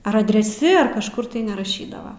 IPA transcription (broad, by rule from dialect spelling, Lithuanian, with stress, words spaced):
ɐr ɐdʲrʲɛˈsʲɪ ɐr kɐʃˈkʊr tɐɪ nʲɛrɐˈʃʲiːdɐʋɐ